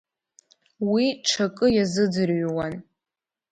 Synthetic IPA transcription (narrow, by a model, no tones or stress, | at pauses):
wiʈ͡ʂʰakʼɨjazɨd͡zɨrɥwan